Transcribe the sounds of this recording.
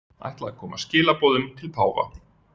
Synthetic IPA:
a̰jht̪laakʰɔːmascɪːlapɔːðʏmt̪ʰɪlpʰaːwva̰

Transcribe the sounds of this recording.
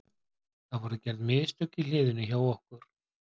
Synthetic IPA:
θaðvɔɾʏcɛɾðmɪːðst̪œcːɪlɪːðʏnʏçawɔhkʏɾ̥

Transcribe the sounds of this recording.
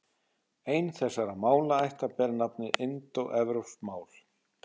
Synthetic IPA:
eːjnθɛsːaɾamaːwlaajht̪apɛɾnap̚nɪɪnt̪ɔɣʔɛvɾowsmaːwl̥

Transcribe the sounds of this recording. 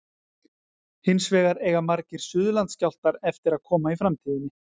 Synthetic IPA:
hɪnsvɛːɣaɾɛːjɣamaɾcɪɾ̥sʏːðʏlant̪scawl̥t̪aɾɛft̪ɪɾaðkʰɔːmaifɾamt̪ʰiːðɪnːɪ

